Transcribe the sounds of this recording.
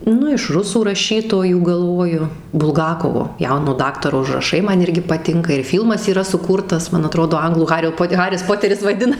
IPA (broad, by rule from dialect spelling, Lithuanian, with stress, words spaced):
ˈnʊ ɪʃ ˈrʊsuː rɐˈʃʲiːtoːjuː ɡɐlˠˈʋoːjʊ bʊlˠˈɡɑːkoːʋoː ˈjɛʊnoː ˈdɑːktɐroː ʊʒrɐˈʃɐɪ ˈmɐn ˈɪrʲɡʲɪ pɐˈtʲɪŋkɐ ɪr ˈfʲiːlˠmɐs iːˈrɐ sʊˈkuːrtɐs mɐn ɐˈtroːdoː ˈɐŋɡlˠuː ˈɣɑːrʲoː ˈpoːt ˈɣɑːrʲɪs ˈpoːtʲɛrʲɪs ʋɐɪˈdʲɪnɐ